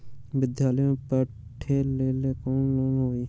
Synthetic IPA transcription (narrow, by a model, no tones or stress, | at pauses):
bɪd̪jaːləjõːpə | ʈʰeːleːleːkoːnloːnɦoːiː